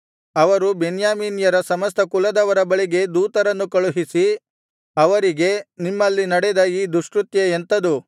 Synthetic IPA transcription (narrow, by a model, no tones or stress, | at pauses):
ɐʋɐɾubenjaːmiːnjɐɾɐsɐmɐst̪ʰɐkulɐd̪ɐʋɐɾɐbɐɭiɡe̞d̪uːt̪ɐɾɐnːukɐɭuɦisi | ɐʋɐɾiɡe̞nimːɐlːinɐɽed̪ɐiːd̪uʂkɾut̪jɐent̪ɐd̪u